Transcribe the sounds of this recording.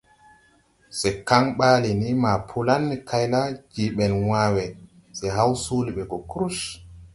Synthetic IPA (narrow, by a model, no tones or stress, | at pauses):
sɛkaŋɓaːlinimaːpʰulanːkʰajlad͡ʒiɓɛnwaːwɛ | sɛɦawsuliɓɛɡɔkɾuʃ